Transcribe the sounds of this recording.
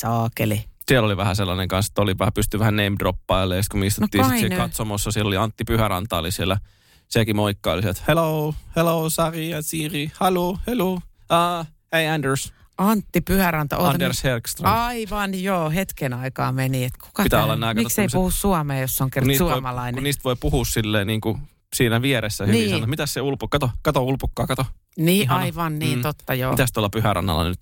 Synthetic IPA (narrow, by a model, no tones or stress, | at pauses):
sɑːkelisieloliʋæhæselːɑneŋkɑnse̥t̪ːoliʋæhæpyst̪yʋæhæneimdropːɑilːeːst̪kumist̪unotːiːsɑitiikɑt̪somosːɑsielːoliɑnt̪ːipyhæɾɑ̰nt̪ɑ̰ːlisielːˑæ | sekimoikːɑːliset̪heloːheloːsɑriɑsiːrihɑluːheloː | eiændəɹs | ɑnt̪ːipyhærɑnt̪ɑ̰ʔoɑdershelkst̪rɑɑiʋɑnjoːhet̪kenɑikɑːmeniet̪ku̥kɑpit̪æːolːɑnːɑˑikmɑikseisuhussuɑmeːjosːoŋkeruniːsuooimɑlɑinuenniːst̪ʋoipuhuːssilːḛːniːŋku | siːnæʋieɾesːæhyniiːsɑnnot̪mit̪æsseulpukɑt̪okɑt̪oulpukːɑːkɑt̪o | niːɑiʋɑnniːnt̪ot̪ːɑjo̰t̪æst̪uɑlːɑpyhærɑ̰nːɑ̰lːˑɑ̰nyt̪